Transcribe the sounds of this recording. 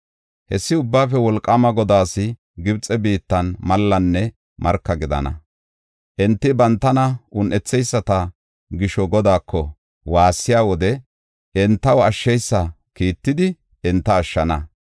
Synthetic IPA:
hɛsːɪʊbːaːfɛwɔlkʼːɐmɐɡɔd̪aːsɪ | ɡɪbt͡sʼːɛbiːt̪ːɐnmɐlːɐnːɛ | mɐɾkːɐɡɪd̪ɐ̰nɐ̰ | ʔɛnt̪ːɪbɐnt̪ːɐnɐʔʊnʔɛt͡sːɛjsːɐt̪ɐ | ɡɪʃɔɡɔd̪aːkʰːɔ | waːsːɪjaːwɔd̪ɛ | ʔɛnt̪ːɐwɐʃːɛjsːɐ | kiːt̪ːɪd̪ɪ | ɛnt̪ːɐːʃːɐnɐ

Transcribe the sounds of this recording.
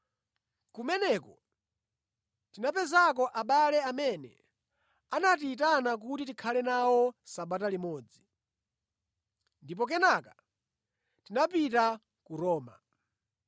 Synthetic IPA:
kumɛnɛkɔ | tinap̬ɛzak̬ɔʔaɓalɛamɛnɛ̰ | anatiːt̬anak̬utitikʰalɛnawɔsaɓatalimɔːd͡zi | ndip̬ɔk̬ɛnaka | tinapita | kuɾɔːma̰

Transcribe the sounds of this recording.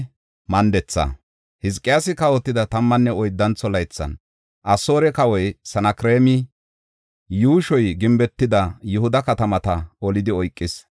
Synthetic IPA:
mɐnd̪ɛt͡sːɐ̰ | hɪs̬kʼɪjasɪkɐwɔt̪ːɪd̪ɐt̪ɐmːɐnːɛɔjd̪ːɐnt͡sːɔlɐjt͡sːɐ̰n | ʔɐso̞ːɾɛkɐwɔjsɐnɐkɾeːmɪ | juːʃɔjɡɪmbɛt̪ːɪd̪ɐjʊhʊd̪ɐkɐt̪ɐmɐt̪ɐɔlɪd̪ɪɔjkʼːɪs

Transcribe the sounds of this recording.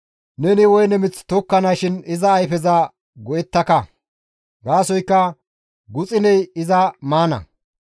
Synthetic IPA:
nɛnɪwɔjnɛmɪt͡st̪ɔkːɐnɐjʃɪnɪzɐːjfɛzɐ | ɡɔɛt̪ːɐkɐ | ɡaːsɔjkːɐ | ɡʊt͡sʼɪnɛjɪzɐmaːnɐ̰

